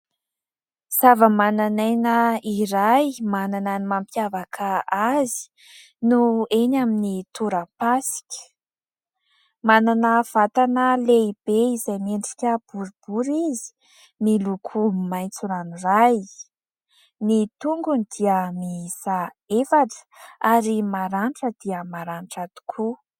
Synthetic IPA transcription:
z̥avəmananajnəiɾajmanananimampjavakʰaazi̥ | nuenaminit̪uɾapasi̥kʲə̥ | mananəv̥at̪anəleib̥eizajmeɳʈ͡ʂi̥kʲəb̥uɾub̥uɾizi̥ | milukʰumimajnt͡suɾaniraj | nit̪uŋɡunid̪̥iəmiisa | efaʈ͡ʂə̥aɾimaɾaɳʈ͡ʂəd̪̥iəmaɾaɳʈ͡ʂad̪̥u̥kʰu

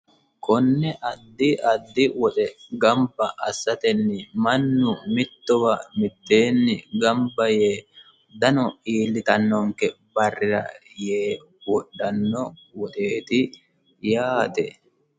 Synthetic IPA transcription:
kɔnːɛʔɐd̪ːɪʔɐd̪ːɪwɔt̪ʼɛɡɐmbɐʔɐsːɐt̪ɛnːɪmɐnːʊmɪt̪ːɔwɐmɪt̪ːe̞ːnːɪɡɐmbɐjeː | d̪ɐnɔiːlːɪt̪ɐnːɔŋkɛ | bɐrːɪɾɐ̰jeː | wɔɗːɐnːɔwɔt̪ʼe̞ːt̪ɪ | jaːt̪ɛ

